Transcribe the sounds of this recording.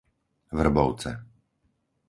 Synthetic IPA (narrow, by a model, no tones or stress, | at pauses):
vr̩bɔʊt͡sɛ̰